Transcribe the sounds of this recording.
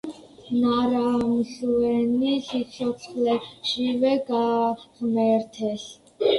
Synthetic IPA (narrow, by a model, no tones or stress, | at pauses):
naɾamɬuɛnisit͡sʰɔt͡sʰχlɛʃivɛɡaχmɛɾt̪ʰɛɬ